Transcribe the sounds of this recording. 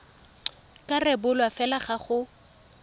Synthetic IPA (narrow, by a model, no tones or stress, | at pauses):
kʼarɛbʊlwafɛlaχaχʊ